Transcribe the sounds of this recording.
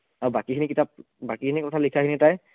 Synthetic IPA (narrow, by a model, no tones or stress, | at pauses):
aɹubakikʰinikitʰap̚ | bakikʰinikɔtʰalikʰakinɛtaj